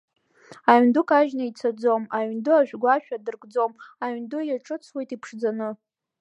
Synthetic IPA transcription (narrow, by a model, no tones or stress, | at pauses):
aɥndʊkʰʼaʒnait͡sʰad͡zo̞maɥndʊaʒᶣɡʷaʃᶣadɨrɡʼd͡zo̞maɥndʊjaʈ͡ʂʼɨt͡sʰwe̞jtʼipʰʂd͡zanɨ